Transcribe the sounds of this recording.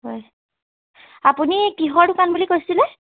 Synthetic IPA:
ɦɔj | apunikiɦɔɹdʊkanbulikojsilɛ

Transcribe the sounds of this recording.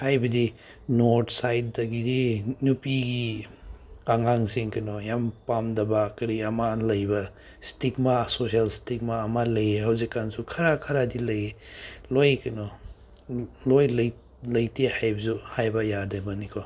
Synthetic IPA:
hajbɐdi | noɾtʰsajt̚dɐɡidinupiɡi | aŋaŋsiŋkɐnɔjampamdɐbakɐɾiɐmalɐjbɐ | stikmasos̬ialstik̚maːmalɐjehawzikːansukʰɐɾakʰɐɾadilɐjelojkɐnɔ | lojlj | lɐjtihajbɐsuhajbɐjadebɐnikʰɔ

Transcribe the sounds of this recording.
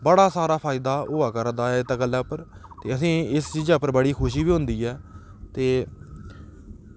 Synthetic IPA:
bəɽaːsaːɾaːpʰaːɪd̪aːʊːaːkəɾd̪aːɛːɪt̪aɡəlːɛːʊpːəɾt̪eːəsĩːɪst͡ʃiːd͡ʒɛːʊpːəɾbəɽiːkʰʊʃiːbiːɦʊ̃nd̪iːɛː | t̪eː

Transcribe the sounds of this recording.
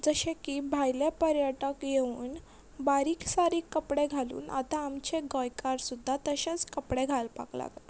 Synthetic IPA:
d͡zəɕekibʱajljapəɾjəʈəkjeuːn | baɾiːksaɾiːkːəpɽeɡʱalṵːna̰t̪aːmt͡ɕeɡəjkaɾsud̪ʱːat̪əɕat͡skəpɽeɡʱalpa̰kla̰ɡ

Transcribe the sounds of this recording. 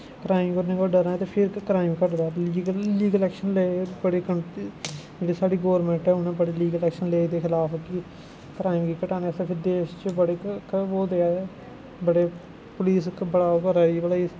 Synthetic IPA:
kɾaːɪmkəɾnẽːkoːɖəɾaːt̪eːpʰɪɾkɾaːɪmkəʈd̪aːliːɡlliːɡəlɛːkʃənleːbəɽeːkəɳ | d͡ʒeːɽiːsaːɽiːɡoːɾmɛ̃ɳʈɛːʊnẽːbəɽeːliːɡəlɛːkʃənleːd̪eːkʰɪlaːfki | kɾaːɪmkiːkəʈãːneseːpʰɪɾd̪eːʃt͡ʃəbəɽeːkoːd̪eːaː | bəɽeː | pʊliːskbəɽaːokəɾaːiːbəɽaː

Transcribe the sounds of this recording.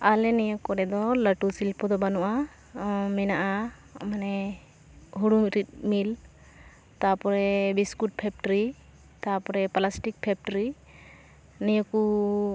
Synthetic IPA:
alɛnɛjɔkɔɾɛd̪ɔlaʈusilpɔd̪ɔbanuʔa | mɛnaʔa | manɛ | ɦuɽumɾit̪̚mil | t̪apɔɾɛbiskuʈ̚pʰɛp̚ʈɾi | t̪apɔɾɛpalasʈik̚pʰɛp̚ʈɔɾi | nijɔku

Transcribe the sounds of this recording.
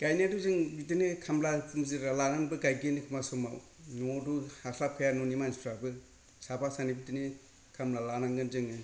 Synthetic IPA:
ɡ̥ajnaduzɯŋbitɯnɯkʰamlapmzɯɾalanaŋbɯɡajɡɯnɯkʰɯmasomaw | nɔduhasʰakʰɯjanonimanspʰɾabɯ | sabasanibitɯni | kʰamlalanaŋɡɯnzɯŋɯ

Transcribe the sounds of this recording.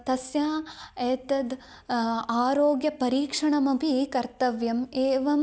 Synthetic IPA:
t̪ɐsjaːeːt̪ɐd̪ | aːɾoːɡjɐpɐɾiːkʂɐɳɐmɐpikɐɾt̪ɐʋjɐmeːʋɐm

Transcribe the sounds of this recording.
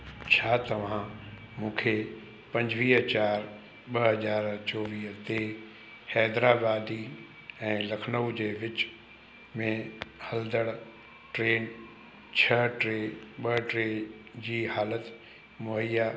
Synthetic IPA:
t͡ɕʰaːt̪ɐʋ̤ã | mũːkʰe | pɐ̃ɲd͡ʑʋiːɦt͡ɕaːɾ | ɓɐɦɐzaːɾt͡ɕɔːʋiːɦt̪eː | hɛːd̪ɾaːbaːd̪i | ɛ̃ːlɐkʰnəud͡ʑeːʋɪt͡ɕ | mẽhɐld̪əɽ | ʈɾeːn | t͡ɕʰɐʈɾeɓəʈɾeːd͡ʑiːhaːlət̪ | mʊɦəjaː

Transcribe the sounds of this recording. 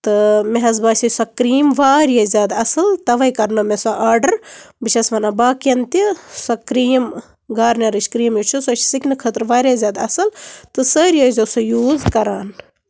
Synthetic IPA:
t̪ɨmeɦɐzbaːsʲisɐkɾiːmʋaːɾjɐzʲaːd̪ɐsɨlt̪ɐʋɐjkɐɾnɨmesaʔaːɾɖəɾbiʃʰɐsʋɐnabaːkɐnt̪isɐkɾiːm | ɡaːɾnʲɐɾɨʃkɾiːmjut͡ʃʰusot͡ʃʰsiknɨkʰəːt̪ɾʋaːɾʲazʲaːd̪ɐsɨlt̪ɨsəːɾjɐzʲosojuːzkɐɾaːn

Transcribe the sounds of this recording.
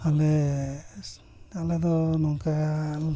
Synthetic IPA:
ale | aled̪ɔnɔŋkaja

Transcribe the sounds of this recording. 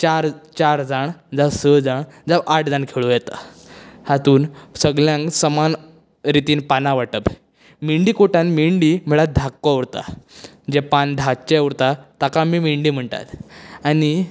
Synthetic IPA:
t͡ɕaɾt͡ɕaɾd͡zaɳd͡zasəd͡zaɳd͡zaʔaʈʰd͡zaɳkʰeɭujɛt̪a̰ | hat̪uːnsəɡɭjãŋksəman | ɾit̪iːnpanaʋaʈəb | miɳɖiːkoʈãnmiɳɖiːm̤eɭad̪ʱakːoəʋɾt̪a̰ | d͡ʑepand̪ʱat͡ɕeəʋɾt̪at̪akamiːmiɳɖiːm̤əɳt̪a̰t̪ani

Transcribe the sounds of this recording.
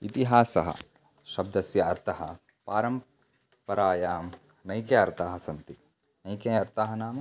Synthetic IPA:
it̪iɦaːsɐɦɐ̰ | ʃɐb̚d̪ɐsjɐːɾt̪ʰɐɦɐ | paːɾɐm | pɐɾaːjaː | nɐjkeɐɾt̪aːɦɐ̆sɐnt̪i | nɐjkeɐɾt̪aɦɐnaːmɐ

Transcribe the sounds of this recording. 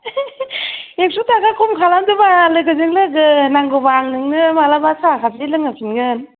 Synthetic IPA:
ek̚sutʰaɡakʰumkʰalamdɯbalɯkɯzɯŋlɯɡɯnaŋɡobaŋnɯŋnɯmalabasʰakʰazelɯŋapʰinɡɯn

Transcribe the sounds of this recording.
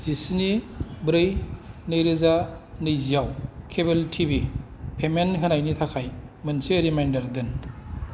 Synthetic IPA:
z̥isinibɾɯjnɯjɾɯzanɯjzijawkʰeβeltʰibipʰemenɦɯnajnitʰakʰajmɯnsiɾimajndaɾdɯn

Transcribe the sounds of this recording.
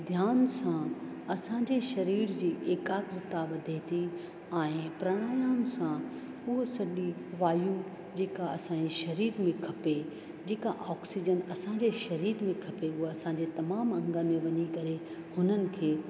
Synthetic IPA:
d̪ʱjaːnsã | ɐsãɲd͡ʑeʃɐɾiːɾd͡ʑiːʔeːkaːkɾɪt̪aʋɐd̪ʱet̪ʰi | ɛ̃ːɪ̃pɾɐɽ̃aːjaːmsã | ʊɦsɐɗiʋaːju | d͡ʑeːkaɐsãːeʃɐɾiːɾmẽkʰɐpe | d͡ʑeːkaʔɔːksid͡ʑənɐsãd͡ʑeʃɐɾiːɾmẽkʰɐpeʊɦɐsãːɲd͡ʑet̪ɐmaːmɐ̃ŋɡəmẽʋɐɲikɐɾe | hʊnənɪ̆kʰeː

